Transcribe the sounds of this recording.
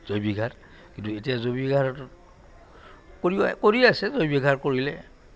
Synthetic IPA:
z̥ojbiɡʱaɹ | kintuetijazobiɡʱaɹɔt | koɹibɔkoɹiasɛzojbiɡʱaɹkoɹilɛ̰

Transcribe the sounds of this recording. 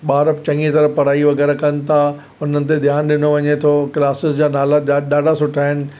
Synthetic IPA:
ɓaːɾəft͡ɕɐ̃ŋɡet̪ɐɾəpɐɾaːiʋɐɣɛːɾakɐnɪ̆t̪ʰa | ʊn̤ənɪ̆t̪̬ed̪ʱjaːnɗɪnoʋɐɲet̪ʰokɪlaːsɪsd͡ʑaːnaːlaɗaːɖʱasʊʈʰaːɦɪnɪ̆

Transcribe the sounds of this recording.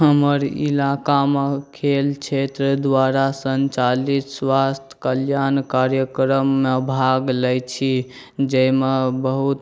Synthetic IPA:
ɦəməɾḭlakamekʰelt͡ʃʰet̪ɾəd̪ʋaɾasənt͡ʃalit̪swast̪ʰjə̥kəljankaɾjəkɾəmːebʱaɡləjt͡ʃʰi | d͡ʒəimebəɦut̪

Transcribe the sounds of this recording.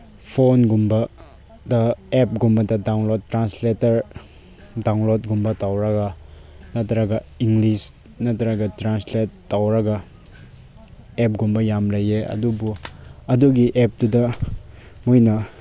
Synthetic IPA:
pʰonɡumbɐ | dɐep̚ɡumbɐdɐdawnlottːɾansletɐɾ | dawnlot̚ɡumbɐtawɾɐɡanɐtɐɾɐɡɐiŋɡlis | nɐtɐɾɐɡɐtɾansletːawɾɐɡa | ep̚ɡumbɐjamlɐjeɐ̰dubuɐduɡiʔep̚tudɐ | mojnɐ

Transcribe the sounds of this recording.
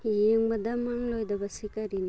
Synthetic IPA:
jeŋbadamaŋlojdɐbɐsikaɾin

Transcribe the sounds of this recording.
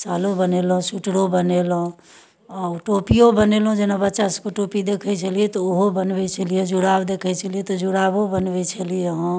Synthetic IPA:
salõbənelɦõsuʈɽobənelɦõ | ɔʈopijobənelõd͡ʒenabətːʃasəkoʈopid̪ekʰɛt͡ʃʰəlijet̪ɔoɦobənbet͡ʃʰəlijed͡ʒuɽabd̪ekʰɛt͡ʃʰəlijet̪ɔd͡ʒuɽabobənbet͡ʃʰəlijeɦɔ̃

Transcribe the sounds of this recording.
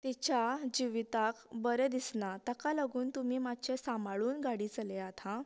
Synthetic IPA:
t̪it͡ɕjad͡ʑiʋit̪akbəɾed̪isnat̪akaləɡuːnt̪umiːmad̪t͡ɕesamaɭuːnɡaɽiːt͡səleat̪ʰa

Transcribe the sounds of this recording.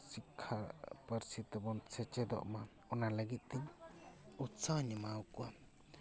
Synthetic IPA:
sikʰːapəɾsit̪ɛbɔnsʰɛt͡ʃɛd̪ɔ̰ʔma | ɔnaləɡit̪̚ˀt̪iɲ | usaɲəmawkua

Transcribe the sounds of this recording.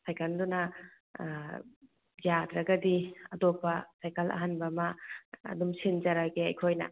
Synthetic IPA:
sʰajkʰandunɐ | jadɾɐɡɐdiɐdɔpːɐsajkalɐ̰ɦanbɐmɐ̰ːdumsind͡ʒɐɾaɡeɐjkʰojnɐ̰

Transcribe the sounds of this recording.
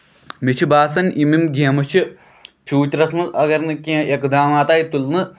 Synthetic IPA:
mit͡ʃʰibaːsɐnimimɡemɐt͡ʃɨ | pʰjuːt͡ʃɾɐsnɨʔɐɡɐɾnɨkʲĩʔekd̪aːmaːt̪aːjit̪ːulnɨ

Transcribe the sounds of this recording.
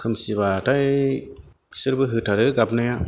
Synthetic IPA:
kʰɯmsibataj | sɯɾbɯɦɯtʰaɾɯɡabnaja

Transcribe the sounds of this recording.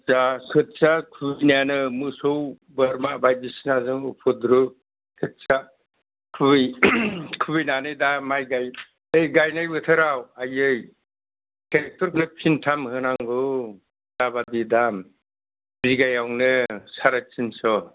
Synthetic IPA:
sakʰɯt̚t͡ʃakʰubijnajanɯmɯsow | baɾmabajbisinazɯŋupʰɯd̪ɾu | kʰɯt̚t͡ʃa | kʰɯbɯjkʰɯbɯjnanɯdamajɡaj | ɯjɡajnajbɯt̪ʰɯɾawajɯj | tʰek̚tɔɾkʰɯpʰintʰamhɯnaŋɡɯ | daβadidam | bɾiɡajawnɯsaɾat͡ʃinsɔ

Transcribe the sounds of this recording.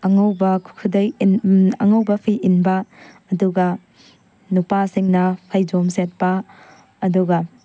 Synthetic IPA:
ɐŋɐwbɐkʰukʰudɐjɐ̰ŋɐwbɐpʰiʔinbɐː | duɡɐ | nupasiŋnɐpʰajd͡ʒomset̚pɐː | duɡɐ

